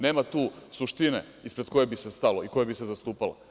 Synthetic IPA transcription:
ne̞ːmat̪uːsuʃt̪inḛ | ispɾe̞d̪ko̞je̞bisest̪alo̞iko̞jebisezast̪uːpala̰

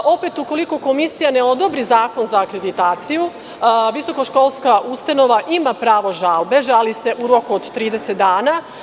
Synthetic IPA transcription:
o̞pe̞t̪uko̞liko̞ko̞misijane̞o̞d̪o̞bɾizaːko̞nzaːkɾe̞d̪it̪aːt̪siju | ʋiso̞ko̞ʃko̞lˠskaʔust̪ano̞ʋaʔimapɾaːʋo̞ʒalbe̞ʒalise̞ʔuɾo̞kuod̪t̪ːɾiːd̪eset̪̚d̪aːna

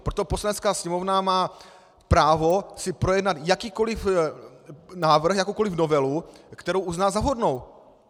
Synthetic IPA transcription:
pɾot̪opo̞slanɛt͡skaːsɲɛmovnamaː | pɾaːvosɪpɾo̞jɛdnat̪jakiːko̞lɪf | naːvr̩xjakowkolɪfnovɛlukt̪ɛɾowʔuznaːzaɦodnow

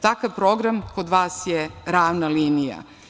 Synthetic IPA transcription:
t̪akaʋpɾo̞ɡɾamko̞d̪ʋaːsjeɾaːʋnaliːnija̰

